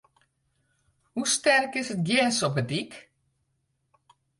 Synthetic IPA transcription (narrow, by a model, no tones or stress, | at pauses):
hustɛrkɪsət̚ɡjɛsɔp̚bətik